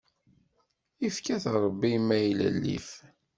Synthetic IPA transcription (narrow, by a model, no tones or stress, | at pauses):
ifkæθɾˤəbːimːæjlə̰lːḭf